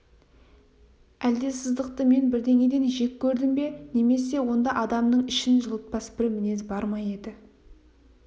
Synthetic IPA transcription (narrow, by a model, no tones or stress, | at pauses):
æld̪e̞sɪzd̪əq̚t̪əme̞nbɪɾd̪e̞ŋʲe̞d̪e̞nʒe̞kʲʰːɵɾd̪ɪmbe̞ne̞me̞se̞wo̞nd̪ɑʔɑd̪ɑmnəɴɪʃɪnʒəlˠət̪̚pɑsbɪɾmɪne̞zbɑɾmɑje̞d̪ɪ